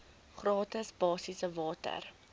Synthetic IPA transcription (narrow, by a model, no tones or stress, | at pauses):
χrɑːtəsbɑːsisəvɑːtə̰r